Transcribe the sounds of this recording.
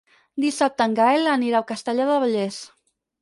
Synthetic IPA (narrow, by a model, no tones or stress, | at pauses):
d̪isap̚t̪əŋɡaelaniɾawkəst̪əʎaðəβəʎes